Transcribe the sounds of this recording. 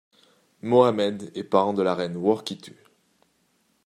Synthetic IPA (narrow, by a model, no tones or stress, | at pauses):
moamɛd̪ɛpaʁɑ̃d̪əlaʁɛnwɔʁkʲit̪ʰy